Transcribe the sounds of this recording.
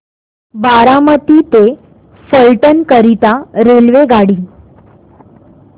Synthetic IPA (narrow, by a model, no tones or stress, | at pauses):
baɾamət̪iːt̪e | səɭʈənkəɾit̪aɾelʋeɡaɽiː